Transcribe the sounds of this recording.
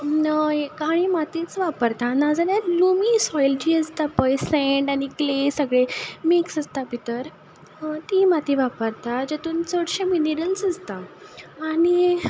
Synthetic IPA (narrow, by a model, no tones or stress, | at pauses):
kaɽ̃imat̪it͡sʋapəɾt̪anad͡zanalumisɔjlt͡ɕiːəst̪apəjsɛɳɖaɽ̃iklesəɡɭemeksəst̪apit̪əɾ | t̪imat̪iʋapəɾt̪ad͡ʑet̪uːnt͡səɽɕemineɾəlsəst̪aː | ni